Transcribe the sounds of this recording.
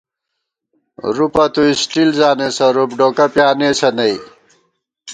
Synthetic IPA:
ɾupɐt̪uisʈilzaːnesɐɾupɖoːkɐpjaːneːsɐnɐj

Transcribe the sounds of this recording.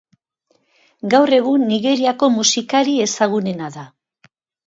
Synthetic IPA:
ɡawre̞ɣunːiɣe̞ɾiako̞musikaɾie̞saɣ̞une̞naða

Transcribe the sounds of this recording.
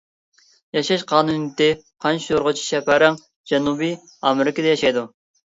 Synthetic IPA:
jɑʃɑʃqʰɑːnunt̪ɪqʰɑnt͡ʃʰijoɾʁət͡ʃʰi̥ʃɛpʰæɾæŋ | d͡ʒɛnubi | ɑmɪɾɪkʲəd̪ɛjɑʃɑjd̪u

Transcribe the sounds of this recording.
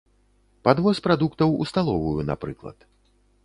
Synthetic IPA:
pad̪vɔspɾad̪ukt̪ɐwṵst̪alˠɔvujuna̰pɾɨklˠɐ̰t̪

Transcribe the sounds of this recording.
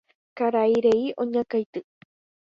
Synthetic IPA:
kaɾajɾejʔoɲakajt̪ɨ

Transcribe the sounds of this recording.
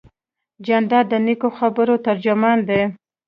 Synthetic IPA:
d͡ʒand̪ɑd̪ənikoxabəɾot̪aɾd͡ʒʊmɑnd̪e

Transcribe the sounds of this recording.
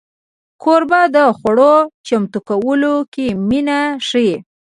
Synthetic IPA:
kʰoɾbɑd̪əxwaɽot͡ʃamt̪ukawəlokeminaʂe

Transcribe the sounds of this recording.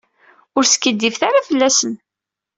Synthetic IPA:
ʊɾsə̥kːəd̪ːifθaɾafəlːæsən

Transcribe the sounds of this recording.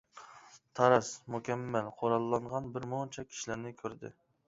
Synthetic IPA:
t̪ʰɑɾɑsmukʲɛmːælqʰoɾɑlˠːɑɴʁɑnbɪɾmont͡ʃʰɛkʲʰi̥ʃilæɾnɪkʲʰøɾd̪ɪ̰

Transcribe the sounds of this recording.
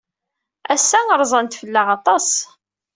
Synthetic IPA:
æsːæəɾˤzˤɑnt̪fəlːaʁɑt̪ˤɑs

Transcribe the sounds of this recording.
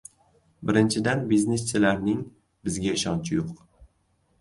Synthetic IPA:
bɪɾɪnt͡ʃʰɪd̪anbizne̞st͡ʃʰɪlaɾnɪŋ | bɪzɡʲaɪʃɒnt͡ʃʰɪjoq

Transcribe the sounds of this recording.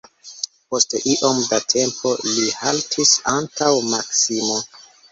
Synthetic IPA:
po̞steʔiʔo̞mdatʰe̞mpʰo̞lihaltʰisantawmaksimo̞

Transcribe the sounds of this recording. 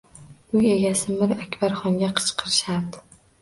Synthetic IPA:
ʊe̞ɡʲasɪmɪɾakʲbaɾχɒŋɡʲaqʰɨ̥t͡ʃqʰɨɾɪʃaɾd̪ɪ

